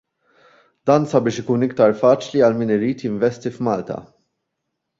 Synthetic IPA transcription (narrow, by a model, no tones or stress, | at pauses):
d̪̥ɐːnsɐbɪːʃɪkuːnɪk̚t̪ɐɾfɐːt͡ʃliɐlmiːnɪɾiːt̪jɪɱvɛst̪ifmɐːlt̪ɐ̰